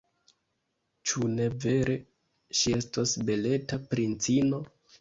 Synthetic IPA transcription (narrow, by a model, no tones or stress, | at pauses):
t͡ʃune̞ve̞ɾe̞ | ʃie̞stasbe̞le̞tapɾint͡sino̞